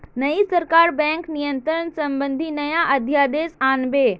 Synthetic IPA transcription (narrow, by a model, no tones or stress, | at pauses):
nɐisɐɾkaːɾbɛ̃ːŋknijə̃nt̪ɾənsɐ̃mbə̃nd̪ʱinɐjaʔɐd̪ʱjaːd̪eːsaːnbeː